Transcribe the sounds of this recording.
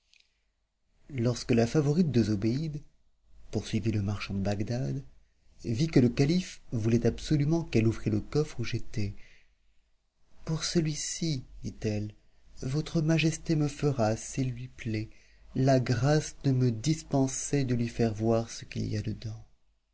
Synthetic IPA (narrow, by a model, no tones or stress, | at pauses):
lɔʁskəlafavɔʁit̪̚d̪əzobeid̪ | puʁsɥiviləmaʁʃɑ̃d̪əbaɡd̪ad̪ | vikələkalifvulɛt̪apsɔlymɑ̃kɛluvʁiləkɔfχuʒet̪ɛ | puʁsəlɥisid̪̥it̪ɛl | vɔt̪χəmaʒɛst̪eməfəʁasilːɥiplɛ | laɡʁasd̪əməd̪ispɑ̃sed̪əlɥifɛʁvwaʁsə̥kḭlḭja̰d̪əd̪ɑ̃